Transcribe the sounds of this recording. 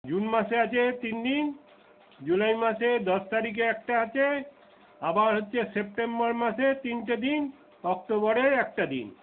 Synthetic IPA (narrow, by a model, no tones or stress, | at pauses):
d͡ʑunmaʃeat͡ɕʰet̪ind̪in | d͡ʑulajmaʃed̪ɔʃt̪aɾik̬eɛk̚ʈaat͡ɕʰe | abaɾɦotːɕʰesep̚ʈembɔɾmaʃet̪inʈad̪in | ɔk̚ʈobɔɾeɾɛk̚ʈad̪ḭn